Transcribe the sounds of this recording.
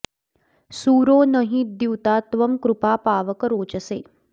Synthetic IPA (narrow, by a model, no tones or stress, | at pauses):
suːɾoːnəɦĩːd̪iwt̪aːt̪ʋɐmkɾupaːpaːʋəkəɾoːt͡ʃəseː